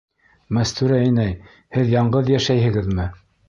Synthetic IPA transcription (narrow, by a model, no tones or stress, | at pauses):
mæst̪ʉɾæænæj | hɘðjɑɴɢɤðjæʃæjhɘ̆ɡɘðmɘ